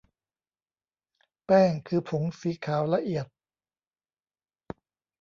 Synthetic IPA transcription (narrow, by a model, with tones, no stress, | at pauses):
pɛː˥˩ŋkʰɯː˧pʰo˩˦ŋsiː˩˦kʰaː˩˦wla˧ʔi˨˩ət̪̚